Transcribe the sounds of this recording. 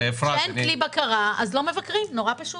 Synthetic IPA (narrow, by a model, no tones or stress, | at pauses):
efaennklibakaʁaazlo̞me̞vakʁimno̞ʁapaʃu